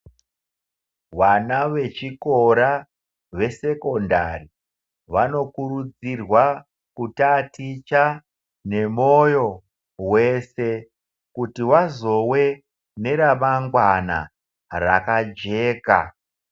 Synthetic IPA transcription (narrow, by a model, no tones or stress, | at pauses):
wanaʋe̞t͡ʃikoɾa | ʋe̞se̞ko̞nda̰ri | ʋano̞kuɾud͡zirwa | kutatit͡ʃa | ne̞mojo̞ | we̞se̞ | kutiwazo̞we̞ | ne̞ɾamaŋɡwana̰ | ra̰kad͡ʒe̞ːka̰